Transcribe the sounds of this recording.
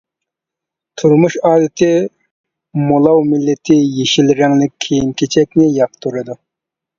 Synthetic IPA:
t̪ʰuɾmuʃɑːd̪ɪt̪ʰɪ | molˠɑwmɪlːɪt̪ʰɪjeʃilɾɪŋlɪk̚ʲkʲʰejinkʲʰet͡ʃʰɛkʲnɪjɑq̚t̪ʰuɾɨd̪u

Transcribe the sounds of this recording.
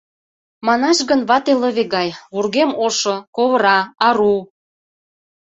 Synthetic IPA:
mɑnɑʃɣənβɑt̪elə̆βeɣɑjβurɣemoʃokoβəɾɑɑɾu

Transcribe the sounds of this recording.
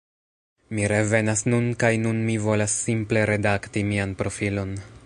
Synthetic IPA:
miɾe̞ve̞nasnunkajnunmivo̞lasːimple̞ɾe̞daktimianpɾo̞filo̞n

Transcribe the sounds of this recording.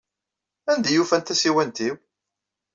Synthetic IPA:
ænd̪æjufænt̪æsiwænt̪iw

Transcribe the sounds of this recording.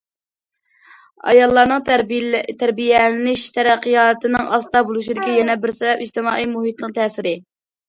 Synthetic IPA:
ɑ̰jɑlˠːɑɾnɨŋ | t̪ʰæɾbijɛlɪnɪʃt̪ʰɛɾɛqːɨjɑːnt̪ʰɪnɪŋɑst̪ɑbolˠuʃid̪ɪkʲɛjɛnɛbɪɾsɛbɛpiʒt̪ɪmɑːimuɦit̪lˠɨqt̪ʰɛːsɪɾɪ

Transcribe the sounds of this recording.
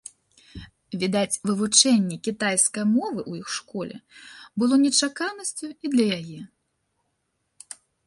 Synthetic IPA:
vʲid̪at͡sʲvɨvut͡ʂɛnʲːɛkʲit̪ajskɐjmɔvɨʔujixʂkɔlʲɛ̰bɨlˠɔnʲɛt͡ʂakanɐsʲt͡sʲuid̪lʲɐjajɛ

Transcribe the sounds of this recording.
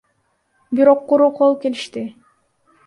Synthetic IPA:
biɾo̞qːuɾuqʰolˠke̞liʃt̪ɪ

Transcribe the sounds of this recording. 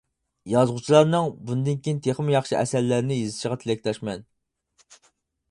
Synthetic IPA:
jɑzʁut͡ʃʰilˠɑɾnɨŋbund̪ɪnkʲiint̪ʰeχmjɑχʃiʔɛsɛɾlːæɾnɪjizɨʃiʁɑt̪ʰlɛkʲlɛʃmɛn

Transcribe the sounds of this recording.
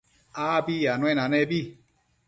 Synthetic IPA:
abijanwɛnãnɛbi

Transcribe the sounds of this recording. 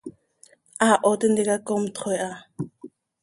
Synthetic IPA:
aʔɔt̪ɪnd̪ɛkakɔmt̪χɔja

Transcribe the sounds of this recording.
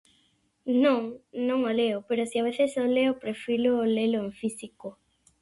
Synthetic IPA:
nõŋnõŋoleopeɾosiaβ̞eθesoleopɾefiloleloeɱfisiko

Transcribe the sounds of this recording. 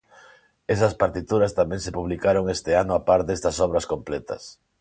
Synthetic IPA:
esɐspaɾt̪it̪uɾɐst̪amɛ̃ŋsepuβlikaɾoŋest̪eanʊapaɾd̪est̪ɐsɔβ̞ɾɐskomplɛt̪ɐ̰s

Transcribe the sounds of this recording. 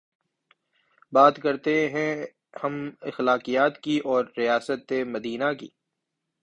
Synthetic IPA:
baːt̪kɐɾt̪eɦɛ̃ | hɐmɪxlaːqijaːt̪kiʔɔːɾːijaːsət̪ːemɐd̪iːnakḭː

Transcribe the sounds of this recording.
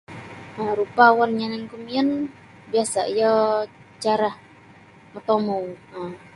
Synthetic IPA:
əɾupawɔnɲanɛŋkumiən | biasa̰ijə | t͡ʃaɾah | mət̪omuə

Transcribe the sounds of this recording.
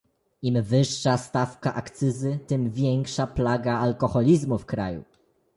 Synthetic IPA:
imvɘʂːast̪afkaʔakt̪sɘzɘt̪ɘmvʲjɛŋkʂaplaɡaːlkɔxɔlʲizmufkɾa̰jṵ

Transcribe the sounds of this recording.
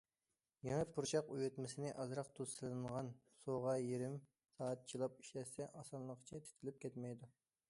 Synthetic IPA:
jɛŋɛpʰuɾt͡ʃʰɑqujut̪mɪsɪnɪʔɑzɾɑq̚t̪ʰuz̥sɨlˠɨŋʁɑnsoʁɑjeɾɪm | sɑːɑt̪̚t͡ʃʰilˠɑp̚i̥ʃɛsɛʔɑsɑnlˠəqʰə̥t͡ʃʰɛt̪ʰi̥t̪ʰɪlɪp̚kʲɛt̪mɛjd̪u

